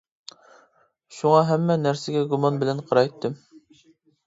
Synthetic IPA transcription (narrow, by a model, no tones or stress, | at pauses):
ʃuŋɑɦɛmːɛnæɾsɪɡʲɛɡumɑnbɪlɛnqʰɑɾɑjt̪ʰːɪm